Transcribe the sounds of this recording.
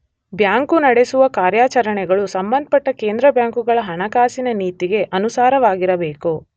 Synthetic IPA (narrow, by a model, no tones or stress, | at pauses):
bjaːŋkunɐɽesuʋɐkaːɾjaːt͡ʃɐɾɐɳɛɡɐɭusɐmbɐnd̪ɐpɐʈːɐkeːnd̪ɾɐbjaːŋkuɡɐɭɐɦɐɳɐkaːsinɐniːt̪iɡe̞ʔɐnusaːɾɐʋaːɡiɾɐbe̞ːku